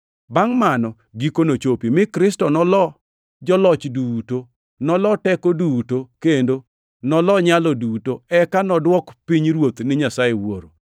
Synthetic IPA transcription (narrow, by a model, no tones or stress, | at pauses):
baŋmanɔ | ɡikonot͡ʃopimɪkɾɪstɔnɔlɔ | d͡ʒɔlɔt͡ʃduto | nɔlɔtɛkodutokendo | nɔlɔɲalɔdutoɛkanɔdwɔkpiɲɾwot̪nɪɲasaewoɾo